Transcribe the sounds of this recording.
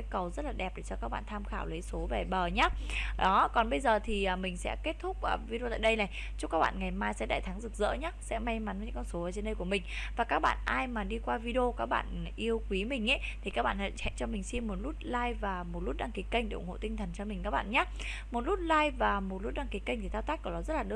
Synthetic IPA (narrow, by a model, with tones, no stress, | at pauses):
a˨˦jkə˨˩wzə˦˥t̚laː˨˩ɗɛ˨˩p̚ɗe˧˩t͡ɕɔ˧kaː˦˥k̚ɓa̰ː˧˨nt̪ʰaː˧mxaː˧˩wlə˨˦jso˨˦vɛ˨˩ɓəː˨˩ɲaː˨˦˥ɗɔ˨˦kɔ˨˩nɓə˧jzəː˨˩t̪ʰi˨˩ʔəː˨˩mï˨˩ŋ̟sɛ̰˧˥ke˦˥t̚t̪ʰʊ˦˥k͡p̚ʔvi˧e˧aː˧˨jɗə˧jlaː˨˩ | t͡ɕʊ˦˥kaː˦˥k̚ɓa̰ː˧˨ŋa˨˩jmaː˧jsɛ̰˧˥ɗa̰ː˧˨t̪ʰa˨˦ŋzɨ˨˩k̚zə̰˧˥ɲaː˦˥sɛ̰˧˥ma˧jma˨˦nəː˨˦ɨ̰˧˥kɔ˧nso˨˦əː˨˩t͡ɕe˧nɗə˧jku˧˩əmï˨˩ŋ̟vaː˨˩kaː˦˥k̚ɓa̰ː˧˨nʔaː˧jmaː˨˩ɗi˧kwaː˧vi˧ɗo˧kaː˦˥k̚ɓa̰ː˧˨n˨ʔi˧əwkwi˨˦mï˨˩ŋ̟ʔḛ˨˦t̪i˨˩kaː˦˥k̚ɓa̰ː˧˨nhə̰˧˨t͡ɕɛ̰˧˨nt͡ɕɔ˧mï˨˩ŋ̟si˧mːo˨˩t̚lu˦˥t̚laː˧jvaː˨˩mo˨˩t̚lu˦˥t̚ɗaː˧ŋki˨˦kə˧jŋ̟ɗe˧˩ʔŋho̰˧˨t̪ï˧ŋ̟t̪ʰə˨˩nt͡ɕɔ˧mï˨˩ŋ̟kaː˦˥k̚ɓa̰ː˧˨nɲaː˦˥ | mo˨˩t̚lu˦˥t̚laː˧jvaː˨˩mo˨˩t̚lu˦˥t̚ɗaː˧ŋki˨˦kə˧jŋ̟t̪i˨˩t̪aː˧wt̪aː˦˥k̚kəː˨˧˩ɗɔ˨˦zə˦˥t̚laː˨˩ɗɨ˧